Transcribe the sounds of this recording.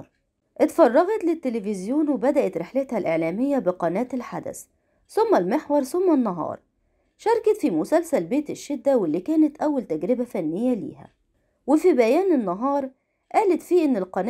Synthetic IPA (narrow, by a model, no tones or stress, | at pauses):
ɾ | ʔet̪fɑrˤːɑɣɑt̪lɪt̪ːelefɪzjuːnwebæd̪æʔæt̪ɾeħlet̪hælʔeʕlæːmejːæbɪqɑnæːt̪elħa̰d̪æ̰s | somːælmeħwɑɾˤsomːænːɑɦɑ̰ːɾˤ | ʃɑɾˤkæt̪fimʊsælsælbeːt̪ɪʃːed̪ːæwelːiːkæːnæt̪ʔæwːælt̪æɡɾɪbæfænːejːælḭːhæ̰ | wefibæjæːnenːɑɦɑːɾˤ | ʔæːlæt̪fiːʔɪnːelqɑn